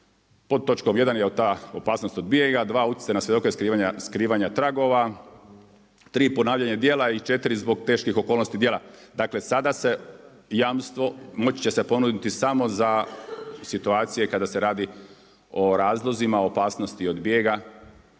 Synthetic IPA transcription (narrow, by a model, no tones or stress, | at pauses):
pod̪̚t̪ːo̞t͡ʃkomje̞d̪anjeot̪aːopaːsno̞st̪od̪bije̞ɡad̪ʋaːut̪je̥sajnasʋjed̪o̞kojeskɾiːʋaɲaskɾiːʋaɲat̪ɾaɡo̞ʋa | t̪ɾiːpo̞naːʋʎaɲad̪jeːlait͡ʃe̞t̪iɾizbo̞ɡ̚t̪e̞ːʃkixo̞kolno̞st̪id̪je̞ːlad̪aːkle̞sad̪ase̞ | jaːmst̪ʋo̞mo̞t͡ɕt͡ɕe̞se̞po̞nud̪it̪isamo̞za | sit̪uaːt̪sijekad̪ase̞ɾaːd̪i | o̞ɾaːzlˠo̞zimaopaːsno̞st̪iod̪bijeɡa